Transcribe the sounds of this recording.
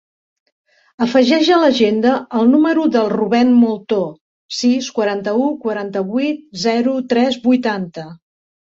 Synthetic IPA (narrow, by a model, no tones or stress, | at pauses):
əfəʒɛʒələʒend̪əːlˠnuməɾuðəlˠruβɛnmulˠt̪o | siskwəɾant̪əukwəɾant̪əβwit̪̚zɛɾut̪ɾɛzbujt̪ant̪ə